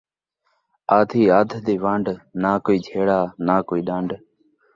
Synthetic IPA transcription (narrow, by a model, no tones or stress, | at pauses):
aːd̪ʱiːaːd̪ʱd̪eːʋãːɳɖnaːkoːiːd͡ʒʱeːɽaːnaːkoːiːɗãːɳɖ